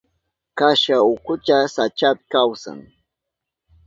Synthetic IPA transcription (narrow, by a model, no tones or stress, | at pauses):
kaʃaʊkʊt͡ʃasat͡ʃapɪ̥kawsa̰ŋ